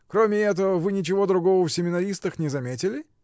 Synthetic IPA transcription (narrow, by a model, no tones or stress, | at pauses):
kɾomʲɪɛt̪əvəvɨnʲɪt͡ɕɪvo̞d̪ɾʊɡo̞vəfsʲɪmʲɪnɐɾʲist̪əxnʲɪzɐmʲetʲɪlʲɪ